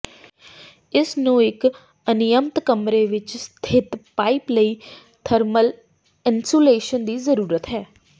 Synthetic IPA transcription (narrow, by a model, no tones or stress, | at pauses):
ɪsnũːɪk | ənɪjəmt̪kəmɾeːʋɪt͡ʃst̪ʰɪt̪paːipləiː | t̪ʰəɾməl | ɪ̃nsoːleːʃənd̪iːzəɾuːɾət̪ɦɛː